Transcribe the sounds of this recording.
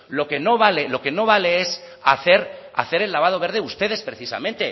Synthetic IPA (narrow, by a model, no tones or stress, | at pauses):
lo̞ke̞no̞βale̞lo̞ke̞no̞β̞ale̞es | aθe̞ɾ | a̰θe̞ɾe̞lːaβ̞að̞o̞βe̞ɾð̞e̞ust̪e̞ð̞e̞spɾe̞θisa̰mẽ̞nt̪e̞